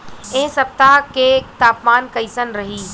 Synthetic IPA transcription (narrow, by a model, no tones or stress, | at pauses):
ẽɦsɐp̚t̪aɦket̪aːpmaːnkɐisənɾɐɦiː